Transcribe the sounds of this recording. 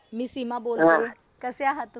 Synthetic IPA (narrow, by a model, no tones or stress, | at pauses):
miːsimabole | kəseaɦət̪